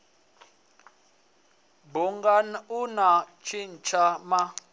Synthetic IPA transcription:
buŋɡanunat͡ʃʰin̩t͡ʃʰama

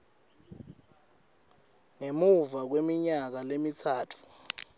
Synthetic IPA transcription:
ŋemuvak̬wemiɲak̬alemit͡sʰaːtʰu̥

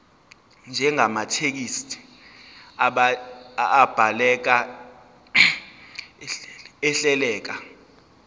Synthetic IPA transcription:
nd͡ʒʱɛŋamatʰek̬istʰʼi̥ | aɓaː | b̥ʱalɛk̬a | ɛɬɛlɛːk̬a

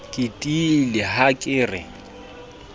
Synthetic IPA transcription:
kʼɪtʼilɪhakʼɪːrɪ̰

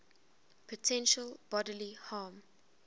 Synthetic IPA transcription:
pʰɔtʰɛ̃nʃəlˠb̥ɔdəlihɑːm

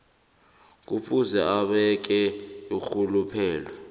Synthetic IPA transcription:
k̬ufuzɛʔaɓɛk̬ɛjuxulupʰɛːlwɛ

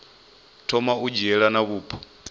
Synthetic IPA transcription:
tʰɔmaud͡ʒɛɺanaβuːpʰɔ̥

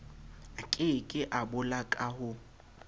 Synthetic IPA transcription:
akʼɪkʼɪʔabʊlakʼahʊ

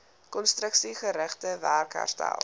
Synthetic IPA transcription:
kɔnstrəksiχəɾəχtəværka̰rtæ̰lˠ

